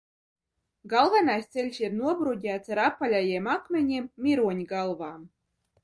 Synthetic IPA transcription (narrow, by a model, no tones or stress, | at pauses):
ɡɑlˠvɑnɑsʲt̪t͡selʲsirnuɔbɾudʲæt̪t͡s̪ɾɑpːalʲajemakmʲenʲimːʲiɾuɔnʲɡɑlˠvɑː